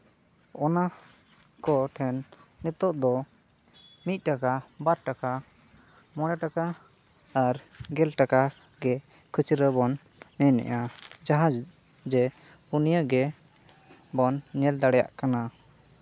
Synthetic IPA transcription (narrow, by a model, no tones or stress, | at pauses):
ɔna | kɔʈʰɛnːɛt̪ɔʔd̪ɔ | mit̪̚ˀʈakabaɾʈaka | mɔɽ̃ɛʈakaː | ɾ | ɡɛlʈaka | ɡɛ | kʰut͡ʃʰɾəbɔnː | ɛnɛ̰ʔad͡ʒaɦad͡ʒ | d͡ʒɛ | unijəɡɛ | bɔnɲɛld̪aɽɛja̰ʔkana